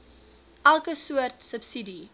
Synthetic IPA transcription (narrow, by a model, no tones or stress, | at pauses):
ʔælˠkəsuərtsəpsidi